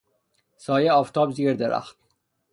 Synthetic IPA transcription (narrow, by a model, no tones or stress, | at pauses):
sɒːjeɒːft̪ʰɒːbziːɾd̪eɾʔæ̰xt̪